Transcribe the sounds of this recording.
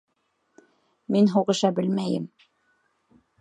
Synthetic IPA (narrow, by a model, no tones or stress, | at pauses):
minɦuʁɤ̆ʃɑbɘlmæjɘ̰m